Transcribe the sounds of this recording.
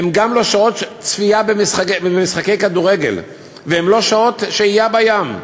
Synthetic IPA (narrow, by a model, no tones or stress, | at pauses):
hemɡamlo̞ʃao̞t̪t͡sfiabemisχaeemisχake̞jkad̪uʁeɡe̞̰l | veemlo̞ʃao̞t̪ʃeijabajam